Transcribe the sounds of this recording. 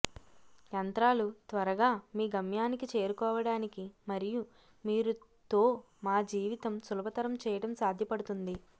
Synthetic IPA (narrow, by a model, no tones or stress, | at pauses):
jɐnt̪ɾaːlut̪ʋɐɾɐɡaːmiːɡɐmjaːnikit͡ʃe̞ːɾukɔːʋɐɽaːnikimɐɾiju | miːɾu | t̪o̞ː | maːd͡ʒiːʋit̪ɐmsulɐbɐt̪ɐɾɐmt͡ʃɛːjɐɽɐmsaːd̪ʱjɐpɐɽut̪und̪i